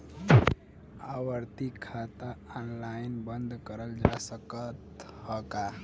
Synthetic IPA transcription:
awəɾt̪ikʰat̪aɔnlainbənd̪kəɾəld͡ʒasəkət̪həka

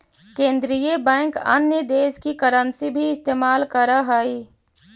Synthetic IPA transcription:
kẽːnd̪ɾijebɛ̃ːŋkə̰njəd̪eːskikəɾənsibʱiɪst̪eːmaːlkəɾaɦai

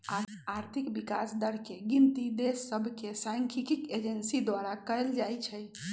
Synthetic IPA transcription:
aaɾt̪ʰikbikasd̪əɾkeɡint̪id̪esːəbʱkesaŋkʰikiked͡ʒensid̪waɾakəjld͡ʒajt͡ʃʰəj

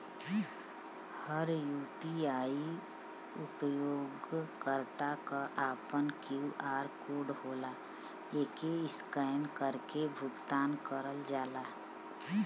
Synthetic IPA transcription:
həɾjuːpiaːi | ʊpəjoːɡkəɾt̪akaʔaːpənkjuːʔaːɾkoːɖɦoːlaː | eːkeɪskəːnkəɾkebʱʊɡt̪aːnkəɾəld͡ʒaːlaː

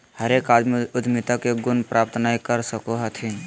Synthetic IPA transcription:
həɾekad͡ʒmeʊd̪ʱmɪt̪akeɡʊnpɾʔaːp̚t̪naikəɾsəkoɦət̪ʰin

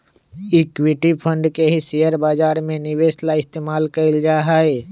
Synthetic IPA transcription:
ɪkwiʈipʰə̃ɳɖkeɦisijəɾbaːd͡ʒaːɾmẽnɪʋeslaɪst̪eːmaːlkəɪld͡ʒaɦae

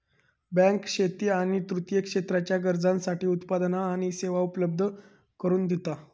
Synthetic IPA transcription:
bɛ̃ŋkʂet̪iːaɽ̃it̪ɾut̪jəkʂet̪ɾat͡ɕjaɡəɾd͡zãnsaʈiːut̪pad̪naːɽ̃iseʋaupləb̚d̪ʱə | kəɾuːnd̪ʱet̪a

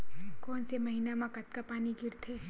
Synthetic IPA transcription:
kɔːnsemɐɦiːnamãkɐt̪kapaːniɡʱɪɾt̪ʰeː

